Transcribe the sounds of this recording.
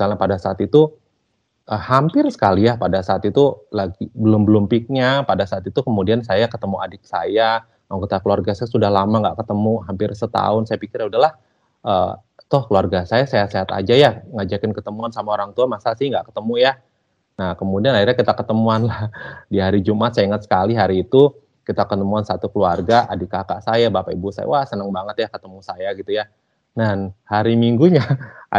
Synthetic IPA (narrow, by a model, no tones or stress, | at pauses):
isalɲapadasaːt̪it̪u | ʔəhampɪrsə̥kalijahpadasaːt̪it̪ulaɡibəlʊmbəlʊmpik̚ɲapadasaːt̪it̪ukəmudiansajakət̪əmuadɪk̚sa̰ja | makit̪akəluarɡasajasudahlamaŋɡaʔkət̪əmuɦampɪrsət̪a̰ʊnsajapikɪrjaudahlah | ʔəː | t̪ʊhkəluarɡasajasejaseɦat̪a̰d͡ʒajaŋad͡ʒakɪnkət̪əmuansamaoɾaŋt̪uamasasɪhŋɡaʔkə̥t̪əmuja | nahkəmudianairɲakit̪akət̪əmuanlahdiɦaɾid͡ʒumat̪sajiŋət̪sə̥kaliɦaɾiːt̪u | kit̪akət̪əmuansat̪ukəluarɡaʔa̰dikaka̰ʔsajabapaibusa̰ja̰wasənəŋbaŋət̪jakət̪əmusajaɡit̪uja | nahaɾimiŋɡuɲa